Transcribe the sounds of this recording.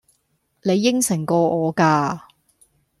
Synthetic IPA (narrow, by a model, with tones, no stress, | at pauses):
ne˨˧jːɪ˥ŋsɪ˨˩ŋkɔː˧ɔː˨˧kaː˧